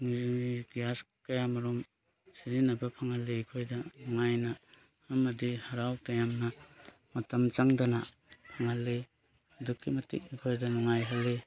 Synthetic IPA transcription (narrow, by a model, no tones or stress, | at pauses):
ŋɡijas | kajamaɾɔm | sizinabapʰaŋaleikʰojdaŋajnaː | madihaɾawtajamna | mɐtamt͡ʃaŋdana | pʰaŋalːe | dukʰːimɐtḭk̚ikʰojdanaŋajɦalːe